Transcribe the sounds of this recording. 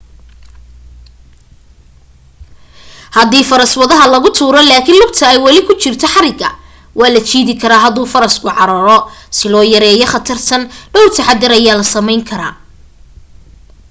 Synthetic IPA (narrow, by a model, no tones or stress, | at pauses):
hɐðiːfɐɾɐswɐðɐɦɐlɐɣʊt̪ʰuːɾɔlaːkʰɪnlʊb̚t̪ʰɐɛjwɐlɪkʰʊt͡ʃɪrt̪ʰɔħɑɾɪɡɐ̰ | wɑːlɐt͡ʃiːðɪkʰɐɾaːɦɐðuːfɐɾɐskʰʊʕɑɾɐːɾɔsɪlɔːjɐɾɛːjɔχɐt̪ʰɐrt̪ʰɐnɖɔwrt̪ʰɐħɑd̪ɪɾɐjaːlɐsɐmɛjŋkʰɐɾa̰ː